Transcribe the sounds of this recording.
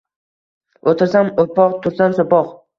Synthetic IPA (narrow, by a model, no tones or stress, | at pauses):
ot̪ʰɪɾsamopɒqt̪ʰʊɾsansopɒq